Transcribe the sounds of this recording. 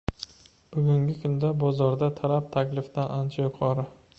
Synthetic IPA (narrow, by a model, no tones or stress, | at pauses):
b̥ʊɡʲʊŋɡʲɪkʰʊnd̪abɒzɒɾd̪at̪ʰalap̚t̪ʰakʲlɪft̪anʔant͡ʃʰajʊqʰɒɾɪ